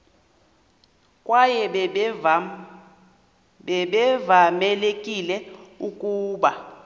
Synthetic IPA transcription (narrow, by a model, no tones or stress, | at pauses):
kʼwajɛ | ɓɛɓɛvamɛlekʼilɛukʼuːɓa